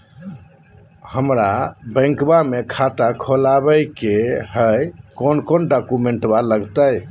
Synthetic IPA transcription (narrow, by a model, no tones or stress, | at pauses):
həmɾabə̃ŋkbamekʰat̪akʰolaβəjkeɦəjkonkonɖɔkumeɳʈbaləɡt̪əj